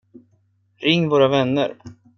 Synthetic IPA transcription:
ɾɪŋːvoːɾavɛnːə̰ɾ

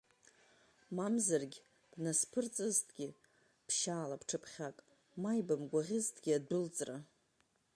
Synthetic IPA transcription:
mamzarɡʲ | b̥naspʰɨrt͡sʼɨztʰɡʲɪ | pʰʃaːlapʰʈ͡ʂʰɨpʰχʲakʼ | majbamɡʷaʁʲɪztʰɡʲiadbɨlt͡sʼra

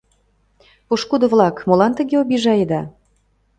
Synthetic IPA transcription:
poʃkud̪ə̆vlɑkmolɑnt̪ə̆ɣeobiʒɑjed̪ɑ

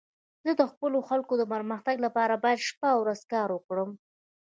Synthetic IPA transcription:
z̥əd̪əxpəloxalkod̪əpəɾməxt̪aɡlapɑɾabɑjad̪ʃpawɾazkɑɾwəkɽəm

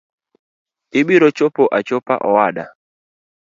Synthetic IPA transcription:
ɪɓiɾot͡ʃopoʔat͡ʃopa̰ʔɔwada̰

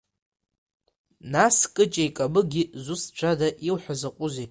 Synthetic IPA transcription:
naskʼɨt͡ʃʼajkʼamɨɡʲizʊst͡ʃʷʰadaʔiwħʷazaqʷʼʊze

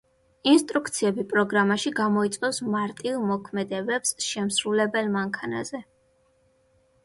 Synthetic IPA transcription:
inst̪ʼɾukt̪sʰiɛbipʼɾɔɡɾamaʃiɡamɔit̪sʼqʼɛfsmaɾt̪ʼilˠmɔkʰmɛd̪ɛbɛpsʃɛmsɾulɛbɛlmaŋkʰana̰zɛ

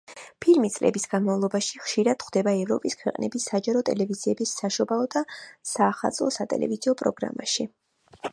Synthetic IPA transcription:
pʰilmit̪sʼlɛ̰bisɡ̥anmavlˠɔbaʃiχʃiɾad̪̥χd̪ɛbaɛvɾɔpʼiskʰwɛqʼnɛbisad͡ʒaɾɔt̪ʼɛlɛviziɛbisːaʃɔbaɔd̪asaːχalˠt̪sʼlˠɔsat̪ʼɛ̰lɛ̰viziɔpʼɾɔɡɾa̰maʃi

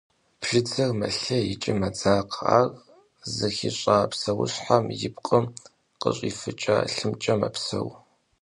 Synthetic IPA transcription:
pʃɪd͡zɐrmɐɬɐjɪt͡ʃʼɪmɐd͡zaːqa̰ːɣ | zɨxiɕʼaːpsɐwʊ̰ɕħamjɪp̚qʼəm | qə̰ɕʼiːfɨt͡ʃʼa̰ːɬɨmt͡ʃʼɐmɐ̰psɐ̰w

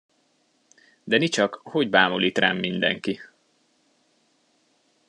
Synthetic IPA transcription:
d̪ɛnit͡ʃɒkho̞ɟbaːmoliːt̪ra̰ːmːind̪ɛ̰ŋki

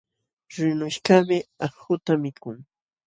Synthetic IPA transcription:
ɾɪnʊʃkamɪɑχxʊt̪amɪkʊŋ

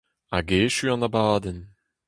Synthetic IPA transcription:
aɡeːʃyːɑ̃nabaːd̪ɛn

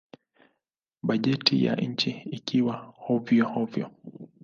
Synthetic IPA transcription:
ɓaʄɛtija̰ɲ̩t͡ʃiikiwahɔvjɔhɔvjɔ̰

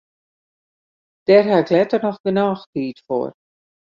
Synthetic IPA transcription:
d̥ɛrɦaɪklɛtərnɔxɡənɔːxtiːtfo̰ːr

